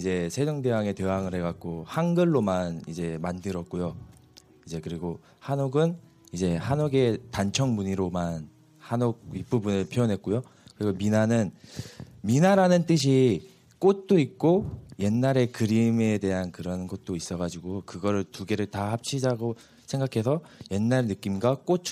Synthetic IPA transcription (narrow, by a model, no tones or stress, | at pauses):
id͡ʑe̞sʰe̞d͡ʑʌŋde̞waŋe̞te̞waŋɯɾɦe̞ɡak̚k͈ohanɡɯɭːomanid͡ʑe̞mandɯɾʌt̚k͈ojo | id͡ʑe̞kɯɾiɡo | hanoɡɯn | id͡ʑe̞hanoɡe̞tant͡ɕʰʌŋmuɲiɾoman | hanoɡ̚ip͈ubunɯɭpʰjojʌnɦe̞t̚k͈ojo | kɯɾiɡominanɯn | minaɾanɯnt͈ɯɕ̬ʰi | k͈ot̚t͈oik̚k͈oje̞nːaɾe̞kɯɾime̞de̞ɦankɯɾʌnɡʌt̚t͈ois͈ʌɣad͡ʑiɡokɯɡʌɾɯɭtuɡe̞ɾɯɭtahap̚t͡ɕʰid͡ʑaɡo | sʰe̞ŋɡakʰe̞sʰʌje̞nːaɾenɯk͈imɡwak͈ot͡ɕʰ